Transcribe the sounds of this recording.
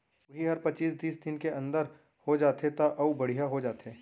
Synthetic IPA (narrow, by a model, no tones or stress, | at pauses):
ʊɦiɦɐɾpɐt͡ʃiːsd̪iːsd̪ɪnkeʔɐ̃nd̪əɾ | hod͡ʒaːt̪ɦet̪aʔɐubɐɽ̤ijaɦod͡ʒaːt̪ɦeː